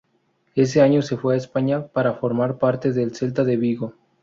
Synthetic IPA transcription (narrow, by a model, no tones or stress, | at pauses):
e̞s̬e̞aɲo̞se̞fwe̞aespaɲapaɾafo̞ɾmaɾpaɾt̪e̞ðe̞lse̞lt̪aðe̞βiɣo